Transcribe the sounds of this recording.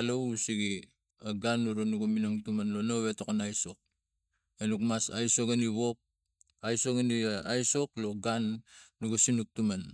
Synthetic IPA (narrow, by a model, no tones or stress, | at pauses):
lousiɡi | aɡanːuɾonuɡominoŋtumanlono̞βe̞tokonajso̞k̚ | enukmasa̰jsoɡaniβo̞p̚ | ajso̞ɡaniajso̞klo̞ɡanːuɡasinuk̚tuman